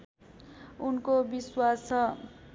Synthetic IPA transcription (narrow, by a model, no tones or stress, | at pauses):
unkobiswasʌ